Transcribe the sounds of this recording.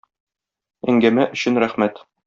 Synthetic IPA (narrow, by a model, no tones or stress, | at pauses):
æŋɡæmæʔɵ̆ɕɘnɾæχmæt̪